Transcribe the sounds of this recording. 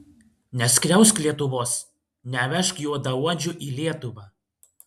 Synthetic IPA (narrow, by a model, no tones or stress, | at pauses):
nʲɛsʲkɾʲɛʊsʲklʲiɛt̪ʊʋoːs | nʲæʋʲɛʃkjuːd̪ɐuɔd͡ʒʲʊʔiːlʲiɛt̪ʊʋɑː